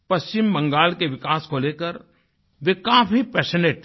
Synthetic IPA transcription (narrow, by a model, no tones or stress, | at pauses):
pɐst͡ʃɪmbɐ̃ŋɡaːlkeʋɪkaːskoleːkəɾ | ʋekaːfʰipɛːʃəneːʈ̚t̪ʰ